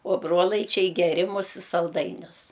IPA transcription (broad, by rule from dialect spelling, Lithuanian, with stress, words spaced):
oː ˈbroːlˠɐɪt͡ʃʲɛɪ ɡʲɛˈrʲɪmʊs ɪ sɐlˠˈdɐɪnʲʊs